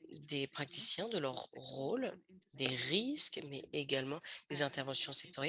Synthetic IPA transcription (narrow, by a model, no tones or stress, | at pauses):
d̪epχak̚t̪i̥sjɛ̃d̪əlœʁʁol | d̪eʁiskmɛeɡalmɑ̃d̪̥ezɛ̃t̪ɛʁvɑ̃sjɔ̃sɛk̚t̪ɔʁj